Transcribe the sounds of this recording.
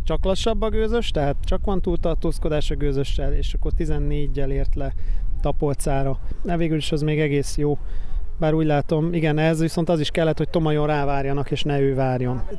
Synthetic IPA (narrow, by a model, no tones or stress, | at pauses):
t͡ʃɒklɒʃɒbːɒɡøːzø̞ʃt̪ɛɦaːt̪t͡ʃɒkʋɒnt̪uːlt̪ɒrt̪oːsko̞d̪aːʃɒɡøːzø̞ʃːɛleːʃɒkːo̞rt̪izɛnːeːɟːɛleːrt̪lɛt̪ɒpo̞lt̪saːɾɒd̪ɛveːɡyliʃɛzmeːɡɛɡeːsjoːbaːɾuːɟlaːt̪o̞miɡɛnɛzʋiso̞nt̪ɒziʃkɛlːɛt̪ho̞c̚t̪o̞mɒjo̞nraːvaːrjɒnɒkeːʃnɛøːvaːrjo̞n